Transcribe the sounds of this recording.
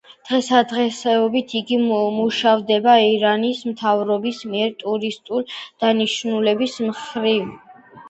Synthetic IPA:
d̪̥ʁɛsad̪ʁɛsɛɔbit̪ʰiɡimuʃavd̪ɛbaiɾanismt̪ʰavɾɔbismiɛɾt̪ʼuɾist̪ʼuld̪̥aniʃnulɛbismχɾiv

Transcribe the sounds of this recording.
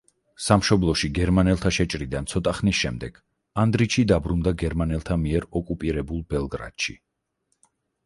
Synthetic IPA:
samʃɔblˠɔʃiɡɛɾmanɛlˠt̪ʰaʃɛt͡ʃʼɾid̪ant̪sʰɔt̪ʼaχnisʃɛmd̪ɛɡ̥ | and̪ɾit͡ʃʰid̪abɾund̪aɡɛɾmanɛlˠt̪ʰamiɛɾɔkʼupʼiɾɛbulˠbɛlˠɡɾa̰d̪̥ʃi

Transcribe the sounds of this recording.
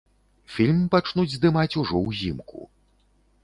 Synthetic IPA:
fʲilʲmpat͡ʂnud͡zʲzd̪ɨmat͡sʲuʐɔwzʲimkṵ

